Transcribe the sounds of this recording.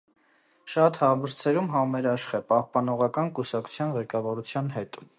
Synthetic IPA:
ʃɑt̪hɑmbəɾt͡sʰɛɾumɦɑmɛɾɑʃχɛpɑhpɑnɔʁɑkɑnkusɑkʰu̥t͡sʰjɑnʁɛkɑvɑɾut͡sʰjɑnɦɛt̪

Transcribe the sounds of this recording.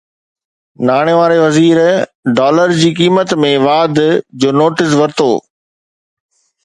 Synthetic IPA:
naːɽ̃eʋaːɾeʋɐziːɾɖaːləɾd͡ʑiːkiːmət̪mẽʋaːd̪d͡ʑoːnoːʈɪs̬ʋɐɾt̪o̰ː

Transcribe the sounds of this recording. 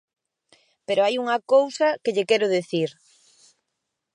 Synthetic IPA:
peɾoajuŋɐkowsɐkɪʎɪkɛɾʊðeθiɾ

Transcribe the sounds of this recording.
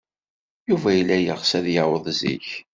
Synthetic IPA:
juvæjəlːæjəʁsæðjəwəðˤzḭç

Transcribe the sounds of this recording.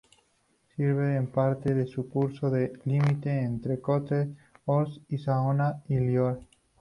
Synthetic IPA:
siɾβeːmpaɾt̪eðesukuɾsoðelimit̪eːnt̪ɾekot̪eosisaonailjoɾ

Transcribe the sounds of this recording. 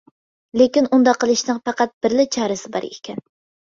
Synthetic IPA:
lekʲinund̪ɑqʰːəlˠɨʃnɨŋpɑqæt̪̚b̥ɪɾlɪt͡ʃʰɑːɾɨsɪbɑ̰ɾḛkʲʰɛn

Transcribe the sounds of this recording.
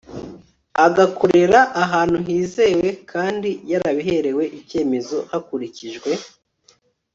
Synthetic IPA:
aɡakoɾe̞ɾaʔːɦaːn̥huɦiːze̞we̞kʰaːndijaɾaβiɦe̞ɾe̞we̞ʔice̞ːme̞zo̞hakuɾiciʒɡwe̞

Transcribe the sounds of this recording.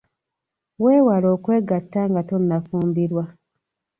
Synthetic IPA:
we̞ːwaloːkwe̞ːɡatːaŋɡatonːafuːmbiɾwa

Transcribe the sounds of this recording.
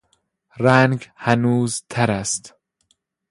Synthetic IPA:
ɾæŋɡhænuːzt̪ʰæɾæst̪

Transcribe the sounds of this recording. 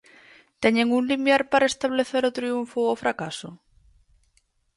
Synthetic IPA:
t̪eɲeŋuŋlimjaɾpaɾaest̪aβ̞leθeɾot̪ɾiuɱfoofɾakaso

